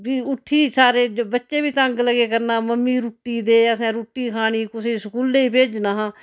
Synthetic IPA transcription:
biːʊʈʰːiːsaːɾeːbətːʃeːbiːt̪əŋɡləɡeːkəɾnaːməmːiːɾuʈːiːd̪eːəsɛ̃ːɾuːʈːiːkʰaːɽ̃iːkʊseːsəkuːlneiːpeːd͡ʒnaːɦãː

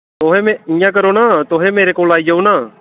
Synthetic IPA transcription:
t̪oːɦemɛ̃ɪ̃jãːk̬əɾoːnaːt̪oːɦemeːɾekoːlaːid͡ʒaũnaː

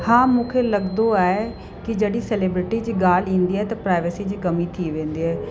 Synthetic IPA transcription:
hãːmũːkʰelɐɡd̪oaːe | kɪd͡ʑɐɗiseleːbɾɪʈid͡ʑiːɡaːl̤ĩːnd̪iaːɦet̪ɐpɾaːɪʋɪsid͡ʑiːkɐmit̪ʰiʋẽːnd̪iaːɦ

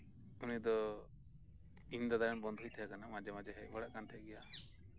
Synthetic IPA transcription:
unid̪ɔ | ind̪ad̪aɾɛnbɔnd̪ʱɦujt̪ʰɛjakanamad͡ʒamad͡ʒɛɦɛʔbaɽaʔkant̪ʰɛɡɛja

